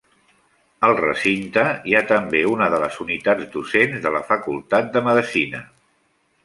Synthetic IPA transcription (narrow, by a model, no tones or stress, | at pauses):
əlˠrə̰sint̪əiat̪əmbeunəðələzunit̪ad͡zd̪usenzðələfəkulˠt̪at̪̚d̪əməðəsinə̰